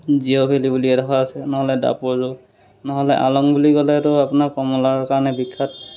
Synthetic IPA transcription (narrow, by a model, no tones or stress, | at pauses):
ziobʰʱelibuliɛdɔkʰaasɛnɔɦɔlɛda̰pɔɹzʊ | nɔɦɔlɛʔa̰lɔŋbuliɡɔlɛtʊapʊnakɔmɔlaɹɔkaɹɔnɛbikʰːat̚